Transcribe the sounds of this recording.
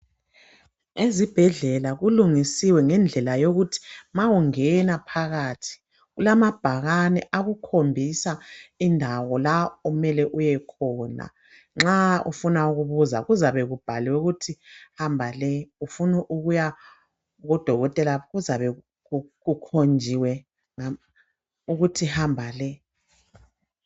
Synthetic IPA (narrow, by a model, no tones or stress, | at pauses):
ezib̥ʱɛɮɛlaɣuluŋisiwɛŋɛnd͡ɮʱɛlajoɣutʰi̥mawuŋɛnapʰaɣatʰi̥ | ɣulamab̥ʱaɣanɛʔaɣukʰombʱisaindʱawɔlaumɛlɛʔujɛkʰɔːna̰ | ŋ͡ǁaṵfunauɣuβuza̰ɣuzaβɛɣub̥ʱaliwɛuɣutʰihambʱalɛufunuʔuɣuja | ɣɔd̥ʱɔɣɔtʼɛlaɣuzaβɛ | uɣukʰond͡ʒʱiwɛ | ŋa | uɣutʰihambʱalɛ